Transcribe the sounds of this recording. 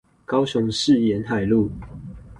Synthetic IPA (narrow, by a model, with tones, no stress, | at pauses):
kɑ˦ʊɕʊ˨˦ŋʂɻ̩˥˨jɛ˨˦nɦa˨˩ɪlu˥˨